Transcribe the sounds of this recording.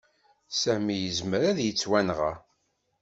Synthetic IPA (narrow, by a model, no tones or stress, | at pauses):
sæmijəzməɾæðjət͡sːwænʁa̰